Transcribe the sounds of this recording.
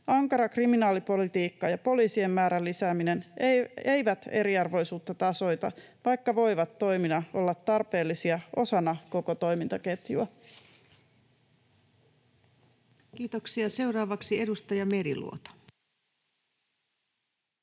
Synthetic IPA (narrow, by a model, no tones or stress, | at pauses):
ɑŋkɑɾɑkriminɑːlipo̞lit̪iːkːɑjɑpo̞liːsiemːæːɾælːisæːmine̞nee̞jʋæt̪e̞ɾiɑrʋo̞jsuːt̪ːɑt̪ɑso̞jt̪ɑ̰ | ʋɑjkːɑʋo̞jʋɑt̪ːo̞jminɑo̞lːɑt̪ːɑrpe̞ːlːisiɑo̞sɑnɑko̞ko̞t̪o̞jmint̪ɑke̞t̪juɑ | kiːt̪oksiɑse̞uwɾɑːʋɑksie̞dust̪ɑjɑme̞ɾḭlṵo̰t̪o̥